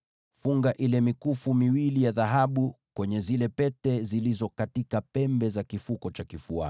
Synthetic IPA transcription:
fuŋɡaʔilɛmikufumiwilijaðaɦaɓukwɛɲɛzilɛpɛtɛzilizɔkatikapɛmbɛzakifukɔt͡ʃakifua̰

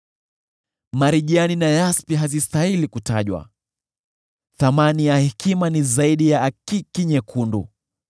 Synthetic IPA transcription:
maɾiʄianinajaspiɦazistahilikuta̰ʄwa̰ | θamanijahikimanizaiɗijaːkikiɲɛkʰundṵ

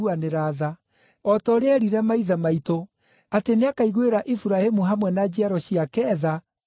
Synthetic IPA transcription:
uaneɾaða | ɔtɔɾeɛɾiɾɛmaiðamaito | ateneakaiɣweɾaʔifuɾahemuɦamwɛnad͡ʑiaɾɔɕiakɛːða

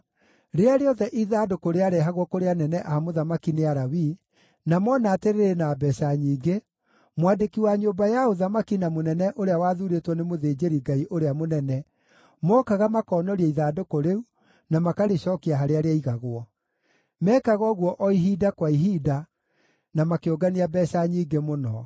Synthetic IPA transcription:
ɾeaɾeɔðɛʔiðaːdokoɾeaɾɛɦaɣwɔkoɾeanɛnɛʔahamoðamakineaɾawi | namɔnaːteɾeɾenabɛsaɲiːɡe | mwadekiwaɲobajaoðamakinamonɛnɛʔoɾeawaːðuɾetwɔnemoðeːd͡ʑeɾiɡaiʔoɾeamonɛnɛ | mɔːkaɣamakɔːnɔɾiɛiðaːdokoɾeu | namakaɾeɕɔkiaɦaɾeaɾeaiɣaɣwɔ | mɛːkaɣɔɣwɔʔɔiɦidakwaiɦida | namakeoɡaniabɛʃaɲiːɡemonɔ

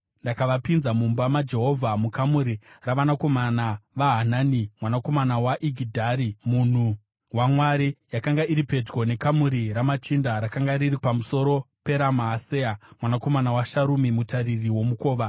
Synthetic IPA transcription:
ndakaʋapinzamumbamad͡ʒe̞ɦo̞vʱamukamuɾiraʋanako̞manaʋaɦanaːnimwanako̞manawaʔiɡʱidʱaɾimuːn̤u | wamwaɾijakaŋɡaʔiɾipe̞d͡ʒɡo̞ne̞kamuɾiɾamat͡ʃindaɾakaŋɡaɾiripamuso̞ɾo̞pe̞ɾamaɦːseamwanako̞manawaʃaɾumimutaririwo̞muko̞ːʋa

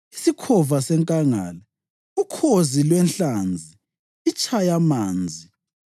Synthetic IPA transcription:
isikʰɔvasɛŋkʼaŋa̰ːlɛ | ukʰozilwɛnɬaːnd͡zʱi | it͡ʃʼʰajamaːnd͡zʱi

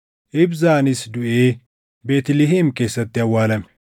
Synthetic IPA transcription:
ʔɪbzaːnɪsd̪ʊʔeː | be̞ːt̪lɪɦimke̞ːsːɐt̪ːɪɐwːaːlɐm

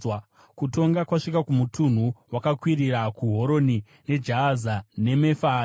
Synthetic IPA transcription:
kuto̞ŋɡakwaʂikakumutun̤uwakakwiɾiɾakuɦo̞ɾo̞ni | ne̞d͡ʒaːzane̞me̞fa

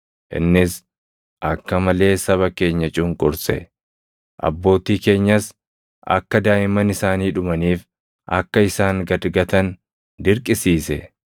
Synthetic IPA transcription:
ʔɪ̰nːɪs | ʔɐkːɐmɐle̞ːsɐβɐke̞ːɲːɐt͡ʃʼʊŋkʼʊɾsɛ̰ | ʔɐ̰bːo̞ːt̪iːke̞ːɲːɐs | ʔɐ̰kːɐd̪aːʔɪmɐnɪsaːniːᶑʊmɐniːf | ʔɐ̰kːɐɪsaːŋɡɐd̪ɡɐt̪ɐn | d̪ɪɾkʼɪsiːsɛ

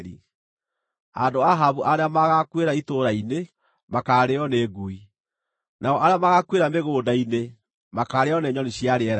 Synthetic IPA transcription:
ɾḭ | adoaɦaβuʔaɾeamaɣakweɾaitoɾaine | makaɾeɔneɡui | naɔʔaɾeamaɣakweɾameɣoːdaine | makaɾeɔneɲɔniɕiaɾeɛɾa

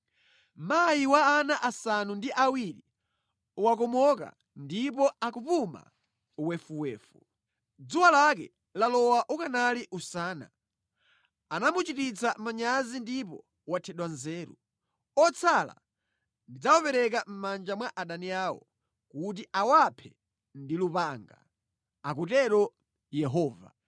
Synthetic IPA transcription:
majiwaːnaʔasanundiʔawiɾi | wak̬ɔmɔka̰ | ndipɔakupuma̰ | wɛfuwɛːfu | d͡zuwalakɛ̰ | lalɔwaʔukanaliʔusaːna̰ | anamut͡ʃitit͡samaɲazindip̬ɔ | watʰɛɗwanzɛːɾṵ | ɔt͡sʰala̰ | ndid͡zawɔpɛɾɛk̬am̩mand͡ʒamwaʔaɗaniaːwɔ̰ | kut̬iʔawapʰɛ | ndilupaŋɡa̰ | ak̬utɛɾɔ | jɛɦɔːva̰

